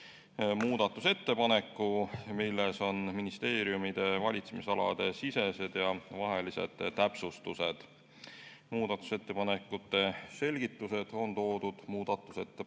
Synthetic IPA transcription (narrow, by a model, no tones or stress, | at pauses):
muːd̪̥ɑt̪ːˑuse̞t̪ːe̞pɑne̞kːˑumilːeso̞nminist̪e̞ːɾijumid̪̥e̞vɑlʲit̪semisɑlɑ̰d̪̥e̞sise̞se̞d̪̥jɑvɑɦe̞lisḛd̪̥t̪æpsust̪use̞d̪̥ | muːd̪ɑt̪ːˑu̥se̞t̪ːe̞pɑnekːˑut̪ːe̞se̞lʲɡ̥it̪ːuse̞d̪̥o̞nt̪o̞ːd̪̥ud̪̥muːd̪̥ɑt̪ːˑu̥se̞t̪ːe